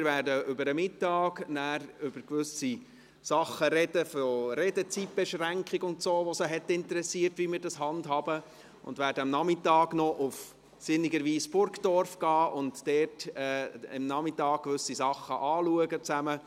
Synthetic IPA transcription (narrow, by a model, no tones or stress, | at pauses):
mɪːɾvæːɾdəʔʏbəɾəmɪtːɑːknæːɾʏb̥əɾkʋʏsi | sɑχːəɾɛd̥əfɔɾɛdət͡sip̚b̥ɛʃʁæŋkχɪɡʊntsoːʋɔsəɦɛtːɪntəɾɛsiːərtʋimɪːɾdɑsɦɑndɦɑbə | ʊ̰ndvæːɾdəɑmnɑmɪtɑːɡnɔʔʊf | sɪniɡəɾʋiːsb̥ʊɾkd̥ɔɾfɡ̥ɑːʔʊntd̥ɛːtɛːɪ̰mnɑmɪtɑːkkʋʏsisɑχːəʔɑːluəɡət͡sæmə